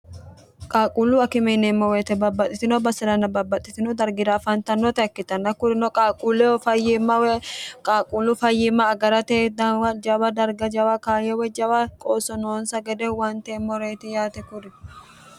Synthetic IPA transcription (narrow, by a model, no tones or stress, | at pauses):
kʼaːkʼuːlʊɐkɪmeːneːmːɔweːt̪ɛbɐbːɐt̪ʼɪt̪ɪnɔbɐsɛɾɐnɐbɐbːɐt̪ʼːɪt̪ɪnɔd̪ɐɾɡɪɾaːfɐnt̪ɐnːɔt̪ɛɐkːɪt̪ɐnːɐkʊɾɪnɔkʼaːkʼuːlɛɔfɐjːɪmɐwɛkʼaːkʼuːlːʊfɐjːɪmːɐːɡɐɾɐt̪eːd̪ɐwɐd͡ʒɐwɐd̪ɐɾɡɐd͡ʒɐwɐkaːjɛwɛd͡ʒɐwɐkʼoːsɔnoːnsɐɡɛd̪ɛwɐnt̪emːɔɾeːt̪ɪjaːt̪ɛkʊɾɪ